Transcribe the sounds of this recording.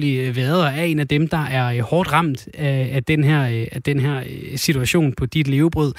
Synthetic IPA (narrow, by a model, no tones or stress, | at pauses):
liʋeɐðˠɐæe̝̰ːnæd̥emd̥ɑ̈ʔæɐhɒːd̥ʁɑ̈m̰d̥æːd̥enɦɛɐ̰æd̥enɦæɐ̰sit͡sʰuæɕo̝̰ːnpʰɒ̽d̥id̥le̝ːʊb̥ʁɔð̰ˠ